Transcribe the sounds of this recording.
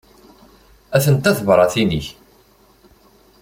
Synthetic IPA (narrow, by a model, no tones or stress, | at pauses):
æθənt̪æθvɾˤɑθinḭç